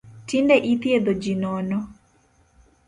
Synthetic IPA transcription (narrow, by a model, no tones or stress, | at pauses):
tindɛʔit̪jed̪od͡ʒinɔnɔ